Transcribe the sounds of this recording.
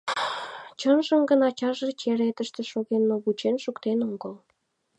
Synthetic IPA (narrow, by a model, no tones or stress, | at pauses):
t͡ɕənʒəmɡənɑt͡ɕɑʒət͡ɕeɾet̪əʃt̪ĕʃoɣenːoβut͡ɕenʃukt̪enoɡəl